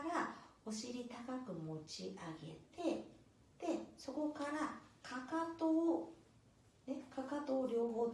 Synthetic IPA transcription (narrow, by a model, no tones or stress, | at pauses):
ɾao̞ɕiɾʲit̪akakɯ̟mo̞t͡ɕiʔaɡe̞̰t̪e̞ | d̪̥e̞so̞ko̞kaɾakʰakat̪oː | ne̞kakat̪o̞ːɾʲo̞ːɦo̞ː